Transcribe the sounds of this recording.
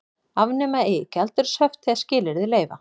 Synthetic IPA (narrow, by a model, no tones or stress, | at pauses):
avnɛmaecɛlt̪ʏɾ̥sœft̪θɛðscɪːlɪɾðɪleːjva̰